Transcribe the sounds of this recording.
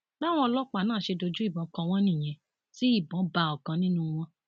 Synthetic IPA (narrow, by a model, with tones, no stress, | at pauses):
ba˦˨w̃ɔ̃˧ɔ˧lɔ˦k͡pa˨nãː˦˨ʃe˧do˧d͡ʒu˦i˦˨bɔ̃˨˦kɔ˧w̃ɔ̃˧˦nĩ˦˨j̃ɛ̃˧˦ | si˦i˦˨bɔ̃˨˦ba˧˨ɔ˨kã˧nĩ˦nũ˧w̃ɔ̃˧